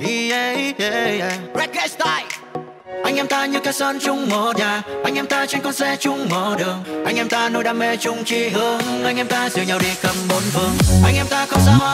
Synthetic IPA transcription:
i˧ | ɹɛ˧˥t̚ɡɛ˧st̪aː˧j | ʔa˧jŋ̟ʔɛ˧mt̪aː˧ɲɨ˧ka˨˧˦jsɔ˧nt͡ɕʊ˧ŋ͡mmo˧˩ɲaː˨˩ʔa˧jŋ̟ʔɛ˧mt̪aː˧t͡ɕɛ˧nkɔ˧nzɛ˧t͡ɕʊ˧ŋ͡mmə˧˩ɗɨ˨˩əŋʔa˧jŋ̟ʔɛ˧mt̪aː˧no˧jɗaː˧me˧t͡ɕʊ˧ŋ͡mt͡ɕi˧ɦɨ˧əŋʔa˧jŋ̟ʔɛ˧mt̪aː˧zɨ˨˩ɲa˨˩wɗi˧kə˨˧˩mɓo˨˦nɦɨ˧˩əŋʔa˧jŋ̟ʔɛ˧mt̪aː˧kɔ˧saː˧˦˧

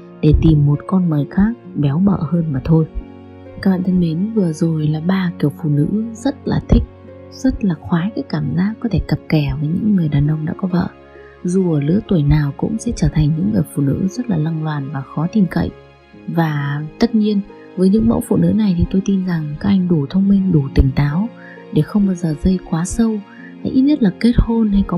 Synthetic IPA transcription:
ɗe˧˩t̪i˨˩mːo˨˩t̚kɔ˧nməː˨˩jxaː˦˥k̚ɓɛ˨˦wɓə̰ː˧˨həː˧nmaː˨˩t̪ʰo˧j | kaː˦k̚ɓa̰ː˧˨t̪ʰə˧nɓi˨˦nvɨ˨˩əzo˨˩jlaː˨˩ɓaː˧ki˧˩əwfṵ˧˨nɨ̰˧˥zə˦˥t̚la̰ː˨˩t̪ʰï˦˥k̟̚ | z̥ə˦˥t̚laː˨˩xwaː˨˦jkaː˨˦jkaː˧˩mzaː˦˥kːɔ˨˦t̪ʰe˧˩kə˨˩p̚kɛ˧˩vəː˨˦jɲɨ̰˧˥ŋːɨ˨˩əjɗaː˨˩nʔə˧wŋ͡mɗa̰ː˧˥kɔ˨˦və̰ː˧˨ | zu˨˩ʔəː˧˩lɨ̰˧˥ət̪wə˧˩jnaː˨˩wkʊ̰˧˥ŋ͡msɛ̰˧˥t͡ɕəː˧˩t̪ʰa˨˩jŋ̟ɲɨ̰˧˥ŋːɨ˨˩əjfṵ˧˨nɨ̰˧˥zə˦˥t̚laː˨˩la˧ŋlwaː˨˩nvaː˨˩xɔ˨˦t̪i˨˩mkə̰˧˨jʔ | vaː˨˩t̪ə˦˥t̚ɲi˧ən | vəː˨˦jɲɨ̰˧˥ŋmə̰˧˥wfṵ˧˨nɨ̰˧˥na˨˩jt̪ʰi˨˩t̪o˧jt̪i˧nza˨˩ŋka˨˦k̚ʔa˧˩jŋ̟ɗu˧˩t̪ʰə˧wŋ͡mmï˧ŋ̟ɗu˧˩t̪ï˧˩ŋ̟t̪aː˨˦w | ɗe˧˩xə˧wŋ͡mɓaː˧wzəː˨˩zə˧jkwaː˨˦sə˧w | ha̰˧˥ʔi˦˥t̚ɲə˦˥t̚laː˨˩ke˦˥t̚ho˧nha˧jkɔ˨˦

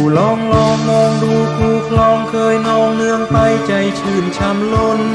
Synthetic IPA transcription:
lɔː˧ŋlɔː˧ŋmɔː˧ŋduː˧kʰuː˧˩kʰlɔː˧ŋkʰɤː˧jnɔː˧ŋnɯ˧əŋp̪a˧jt͡ɕa˧jt͡ɕʰɯː˧˩nt͡ɕʰa˧mlo˧n

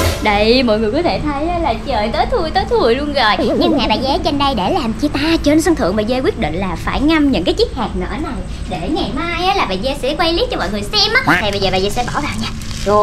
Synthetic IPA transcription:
ɗə˧˩jmɔ̰˧˨jŋɨ˨˩əjkɔ˨˦t̪ʰe˧˩t̪ʰə˨˦jlaː˨˩t͡ɕəː˨˩jt̪əː˨˦jt̪ʰu˨˧˩əjt̪əː˨˦jt̪ʰu˨˩əjlu˧ənzəː˨˩jɲɨ˧ŋha̰˧˨ɓaː˨˩zɛ˨˦t͡ɕe˧nɗə˧jɗe˧˩laː˨˩mt͡ɕi˧t̪aː˧t͡ɕe˧nsə˧ŋt̪ʰɨ̰˧˨əŋɓaː˨˩zɛ˧kwi˦˥ət̚ɗḭ̈˧˨ŋ̟laː˨˩faː˧˩jŋa˧mɲɨ̰˧˥nkaː˨˦jt͡ɕi˦˥k̚haː˨˩k̚nə̰˧˨ʔə˧˦na˨˩j | ɗe˧˩ŋa˨˩jmaː˧jʔaː˨˦laː˨˩ɓaː˨zɛ˧sɛ̰˧˥ə˦kwa˧jli˦˥t̚t͡ɕɔ˧mɔ̰˧˨jŋɨ˨˩əjsɛ˧mʔaː˦t̪ʰa˨˩ɓə˧jzəː˨˩ɓaː˨zɛː˧˩sɛ̰˧˥ɓɔ˧˩vaː˨wɲaː˧

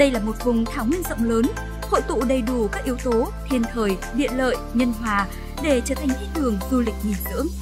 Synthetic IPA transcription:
ɗə˧jlaː˨˩mo˨˩t̚vʊ˨˩ŋ͡mt̪ʰaː˧˩wŋwi˧ənzə̰˧˨wŋ͡mləː˨˦n | ho̰˧˨jt̪ṵ˧˨ɗə˨˩jɗu˧˩kaː˦˥k̚ʔi˨˦əwt̪o˨˦t̪ʰi˧ənt̪ʰəː˨˩j | ɗḭ˧˨ənlə̰ː˧˨jɲə˧nɦwaː˨˩ | ɗe˧˩t͡ɕəː˧˩t̪ʰa˨˩jŋ̟ʔ̪i˨˥t̪ʰɨ˨˩əŋzu˧lï˨˩k̟̚ɲi˨˩nzɨ̰˧˥əŋ

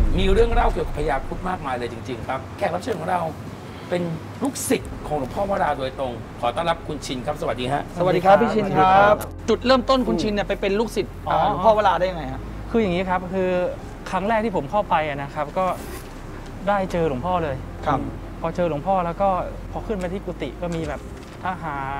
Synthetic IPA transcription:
miː˧ɾɯ˥˩əŋɾa˧˩wki˧˨˩wka˨˩pʰa˧jaː˧u˦˥t̪̚maː˥˩k̚maː˧jlɤː˧jt͡ɕi˧ŋt͡ɕi˧ŋkʰɾa˦˥p̚kʰɛː˨˩kla˦˥p̚t͡ɕʰɤː˧nkʰɔ˨˩˦ɾa˧w | pe˧n | lu˦˥k̚si˨˩t̪̚kʰɔː˩˦lu˨˩˦ŋpʰɔː˥˩maː˥˩ɾaː˧do˧jt̪ɾo˧ŋ | kʰɔː˩˦t̪ɔː˥˩ŋla˦˥p̚kʰu˧nt͡ɕʰi˧nkʰa˦˥p̚sa˧wa˨˩t̪̚diː˧ɦa˦˥ʔsa˨a˧wd̚diː˧kʰa˦˥ppʰːiː˥˩t͡ɕʰi˧nkʰa˦˥˦pt͡ɕu˨˩t̪̚ɾɤː˥˩mt̪o˥˩nkʰu˧nt͡ɕʰi˧nːi˥˩pa˧jpe˧nlu˦˥k̚si˨˩t̪̚ʔaː˨˩˧lu˦pʰɔː˥˩waː˦˥˩laː˧daː˥˩ja˧ŋa˧jʰa˦˥ʔ | kʰɯː˧ja˨˩ŋːiː˦˥kʰa˦˥p̚kʰɯː˧ | kʰɾa˦˥ŋɾɛː˥˩k̪̚ʰiː˥˩pʰo˩˦mkʰa˥˩wpa˧jʔa˨˩na˦˥kʰa˦˥p̚kɔː˥˩ | daː˥˩jt͡ɕɤː˧lu˩˦ŋpʰɔː˥˩lɤː˧j | kʰ | pʰɔː˧t͡ɕɤː˧lu˨˩˦ŋpʰɔː˥˩lɛː˦˥wkɔː˥˩ | pʰɔː˧˩kʰɯ˥˩nma˧t̪ʰiː˥˩kuː˧t̪ḭ˨˩kɔː˥˩miː˧bɛː˨˩p̚ | t̪ʰaː˧ɦaː˩˦

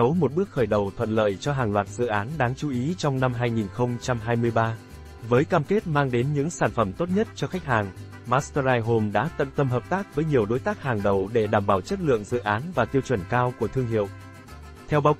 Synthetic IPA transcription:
ə˨˦wmo˨˩t̚ɓɨ˦˥ək̚xəː˧˩jɗə˨˩wt̪ʰwə̰˧˨nlə̰ː˧˨jt͡ɕɔ˧ɦaː˨˩ŋlwaː˨˩t̚z̥ɨ̰˧˨ʔaː˨˦nɗaː˨˦ŋt͡ɕu˨˦ʔi˨˦t͡ɕɔ˧wŋ͡mna˧mɦaː˧jŋi˨˩nxə˧wŋ͡mt͡ɕa˧mɦaː˧jmɨ˧əjɓaː˧ | vəː˨˦jkaː˧mke˦˥t̚maː˧ŋɗe˨˦nɲɨ̰˧˥ŋsaː˧˩nfə˧˩mt̪o˦˥t̚ɲə˦˥t̚t͡ɕɔ˧xa˦˥jk̟̚haː˨˩ŋ | maː˦˥st̪ə˧zaː˧jɦo˧mɗa̰ː˧˥t̪ə̰˧˨nt̪ə˧mɦəː˨˩p̚t̪aː˦˥k̚vəː˨˦jɲi˨˩əwɗo˨˦jt̪aː˦˥k̚haː˨˩ŋɗə˨˩wɗe˧˩ɗaː˧˩mɓaː˧˩wt͡ɕə˦˥t̚lɨ̰˧˨əŋzɨ̰˧˨ʔaː˨˦nvaː˨˩t̪i˧əwt͡ɕwə˧˩nkaː˧wku˧˩ət̪ʰɨ˧əŋɦḭ˧˨əw | t̪ʰɛ˧wɓaː˨˦w

